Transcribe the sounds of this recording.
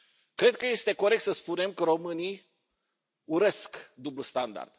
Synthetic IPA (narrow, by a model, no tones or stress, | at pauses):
kɾe̞d̪̚kəje̞st̪e̞ko̞ɾe̞k̚t̪səspune̞mkəɾo̞mɨnij | uɾe̞skd̪ubləst̪and̪a̰rd̪̥